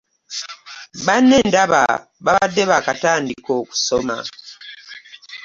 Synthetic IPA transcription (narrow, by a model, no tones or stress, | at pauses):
βanːe̞ːndaβa̰ | βaβadːe̞βakataːndiko̞ːku̥so̞ma̰